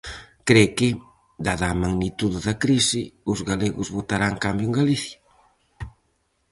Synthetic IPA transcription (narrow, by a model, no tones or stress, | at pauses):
kɾekɪ | d̪aðaːmaɣnit̪uðɪðɐkɾisɪʊzɣaleɣʊzβot̪aɾaŋkambjʊeŋɡaliθjɐ